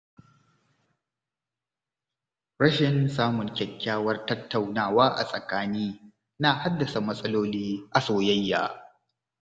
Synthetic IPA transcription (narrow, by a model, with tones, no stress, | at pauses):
ɽɐ˦ʃɪ˨nsaː˦mʊ˨ŋkʲɐ˨kʲːaː˦wɐ˦rtɐ˦tːa˨wnaː˦˨waː˦ʔa̰˨sʼɐ˨kaː˦niː˦ | naː˨ha˦dːɐ˨sa˨mɐ˦sʼɐ˦loː˦liː˦ʔa˨soː˨jɐ˦jːa̰ː˨